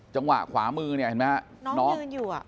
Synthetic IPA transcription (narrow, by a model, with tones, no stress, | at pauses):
t͡ɕa˧ŋwa̰˨˩ʔkʰwaː˩˦mɯː˧ni˥˩he˨˩ma˦˥a˧˩n˦˥nɔː˦˥˧juː˨˩a̰˨˩